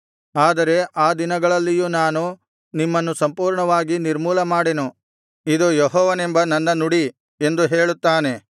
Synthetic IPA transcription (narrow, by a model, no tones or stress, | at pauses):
aːd̪ɐɾe̞ʔaːd̪inɐɡɐɭɐlːijunaːnu | nimːɐnːusɐmpuːɾɳɐʋaːɡiniɾmuːlɐmaːɽenu | id̪ujɔɦɔːʋɐnembɐnɐnːɐnuɽi | e̞nd̪uɦeːɭut̪ːaːne̞